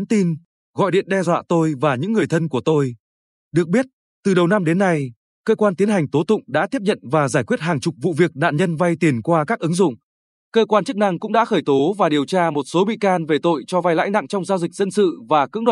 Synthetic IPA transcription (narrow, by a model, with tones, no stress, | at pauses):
nt̪i˧n | ɣɔ̰˧˨jɗḭ˧˨ənɗɛ˧zwa̰ː˧˨t̪o˧jvaː˨˩ɲɨ̰˧˥ŋːɨ˨˩əjt̪ʰə˧nku˧˩ət̪o˧j | ɗɨ˨˩ək̚ɓi˦˥ət̚ | t̪ɨ˨˩ɗə˨˩wna˧mɗe˨˦nːa˧j | kəː˧kwaː˧nt̪i˨˦ənɦa˨˩jŋ̟t̪o˨˦t̪ʊ̰˧˨ŋ͡mɗa̰ː˧˥t̪i˦˥əp̚ɲə̰˧˨nvaː˨˩zaː˧˩jkwi˦˥ət̚haː˨˩ŋt͡ɕʊ˨˩k͡p̚vṵ˧˨vi˨˩ək̚ɗa̰ː˧˨nɲə˧nva˧jt̪i˨˩ənkwaː˧kaː˦˥k̚ʔɨ˨˦ŋzʊ̰˧˨ŋ͡m | kəː˧kwaː˧nt͡ɕɨ˦˥k̚na˧ŋkʊ̰˧˥ŋ͡mɗa̰ː˧˥xəː˧˩jt̪o˨˦vaː˨˩ɗi˨˩əwt͡ɕaː˧mo˨˩t̚so˨˦ɓḭ˧˨kaː˧nve˨˩t̪o̰˧˨jt͡ɕɔ˧va˧jla̰ː˧˥jna̰˧˨ŋt͡ɕɔ˧wŋ͡mzaː˧wzï˨˩k̚zə˧nsɨ̰˧˨vaː˨˩kɨ̰˧˥ŋɗwa˨